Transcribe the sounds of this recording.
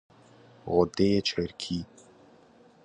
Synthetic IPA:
ɣʊd̪et͡ʃʰəɾkʰi

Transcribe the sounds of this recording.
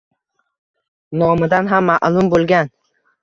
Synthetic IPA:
nɒmɪd̪anɦamːaʔlˠʊmbolˠɡʲan

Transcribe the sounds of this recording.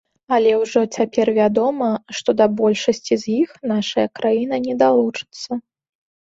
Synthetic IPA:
ɐlʲɛwʐɔt͡sʲapʲɛrvʲad̪ɔmɐʂt̪ɔd̪ɐbɔlʲʂɐsʲt͡sʲizʲjixnaʂɐjɐkɾajinɐnʲɛd̪alˠut͡ʂɨ̥t̪sːɐ

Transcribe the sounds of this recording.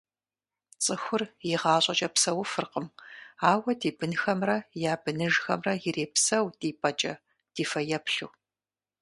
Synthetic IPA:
t͡sʼɨxʷʊrjɪʁɑːɕʼɐt͡ʃʼɐpsɐwʊfɨrqəmaːwɐdiːbɨnxɐmrɐjaːbɨnɨʒxɐmrɐjɪreːpsɐwdiːpʼɐt͡ʃʼɐ | d̥iːfɐjɛpɬuː

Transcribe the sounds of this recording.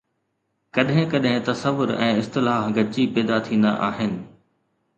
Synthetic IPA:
kɐɗɦɪ̃kɐɗɦɪ̃t̪ɐsəʋʊɾɛ̰̃ːɪst̪ɪlaːɦɡɐt͡ɕipɛːd̪at̪ʰĩːnd̪a̰ʔaːɦɪnɪ̆

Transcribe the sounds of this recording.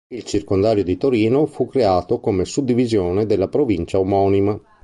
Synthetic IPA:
ilt͡ʃirkond̪aːɾjod̪it̪oɾiːnofukːɾeaːt̪okomesud̪ːivizjoːned̪elːapɾovint͡ʃaumɔːnima

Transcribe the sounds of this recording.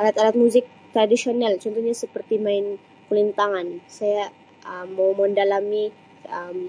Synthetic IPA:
ʔalat̪alat̪̚muzɪk̚t̪ɾadisionalt͡ʃɔnt̪ɔhɲasəpərt̪imaɪn | kəlint̪aŋansaja | əmːawməndalami | əm

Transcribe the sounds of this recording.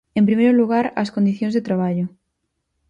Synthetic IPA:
ẽmpɾimejɾoluɣaɾɐ̰skond̪iθjõŋzðet̪ɾaβaʎʊ

